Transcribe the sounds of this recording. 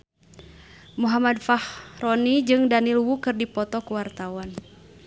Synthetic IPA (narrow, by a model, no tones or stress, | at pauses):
muɦamadfahrɔnid͡ʒɨŋdanilwukɨrdipɔt̪ɔkuwart̪awan